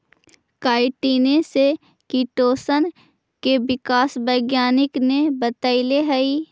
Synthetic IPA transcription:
kaːɪʈiːnese | kiʈoːsən | kebɪkaːsbəːɡjaːnɪknebət̪əileɦɐiː

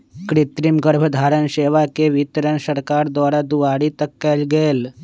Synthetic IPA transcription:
kɾit̪ɾimɡəɾbʱəd̪ʱaɾənɕeʋakeʋit̪ɾənsəɾkaɾd̪ʋaɾad̪uʋaɽiːt̪əkːalɡeːl

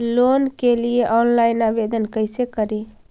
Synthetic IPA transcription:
lonkelieʔɔnlaɪnabed̪ənkəjsekəɾi

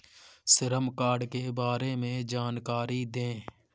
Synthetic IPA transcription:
sɪɾəmkaːɾɖkebaːɾemẽd͡ʒaːnkaːɾid̪ẽː

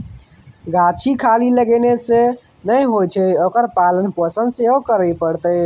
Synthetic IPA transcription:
ɡat͡ʃʰikʰaliləɡenese | nəjɦojt͡ʃʰɛokəɾpalənpəsənd̪seɦokəɾəjpəɽt̪əj

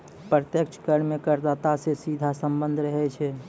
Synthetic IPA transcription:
pɾət̪jəkt͡ʃʰkəɾmekəɾd̪at̪asesid̪ʱasəmbənd̪ʱɾəɦɛt͡ʃʰɛ

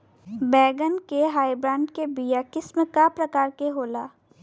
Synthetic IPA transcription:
bɛːɡənkeɦaːibɾãːɳɖkebijakɪsmẽkapɾɐkaːɾkeɦoːlaː

